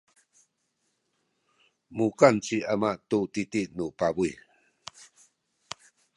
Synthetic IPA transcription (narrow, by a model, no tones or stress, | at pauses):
mukant͡siamatutitiʔnupabuj